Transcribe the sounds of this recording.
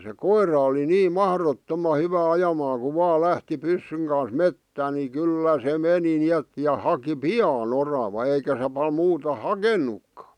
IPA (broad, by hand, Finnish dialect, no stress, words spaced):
se koirˑɑ oli niː mɑhrotːomɑ hyʋæ ɑjɑmɑːŋ ku ʋɑː læhti pysːyŋ kɑn̞s metːæn ni kyˑlːæ se meni niet jɑ hɑki piɑːn orɑʋɑ eikæ se pɑl muːtɑ hɑkenːukːɑ̥